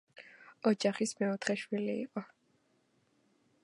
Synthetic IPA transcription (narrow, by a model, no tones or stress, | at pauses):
ɔd͡ʒaχismɛɔt̪ʰχɛʃwilḭːqʼɔ